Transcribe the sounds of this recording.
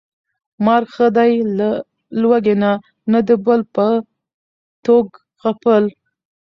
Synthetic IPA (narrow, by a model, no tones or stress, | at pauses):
mɑɾxəd̪ajla | lwaɡena | nad̪əbəlpə | t̪oɡ | ɣapəl